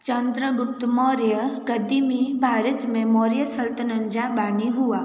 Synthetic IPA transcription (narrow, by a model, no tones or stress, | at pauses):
t͡ʃənd̪ɾəɡʊp̚t̪mɔːɾjəɡəd̪imibʱaːɾət̪mẽmɔːɾjəsəlt̪ənəɲd͡ʒabaːniɦua